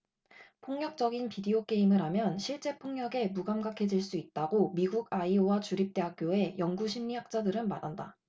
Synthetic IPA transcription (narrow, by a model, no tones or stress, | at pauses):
pʰoŋɲjʌk̚t͡ɕ͈ʌɡinpideok͈e̞imɯɾɦamjʌnɕʰiɭt͡ɕ͈e̞pʰoŋɲjʌɡe̞muɡamɡakʰe̞d͡ʑiɭs͈uit̚t͈aɡomiɡuɡaiowat͡ɕuɾip̚t͈e̞ɦak̚k͈joe̞jʌŋɡuɕʰimɲiɦak̚t͡ɕ͈adɯɾɯnma̰danda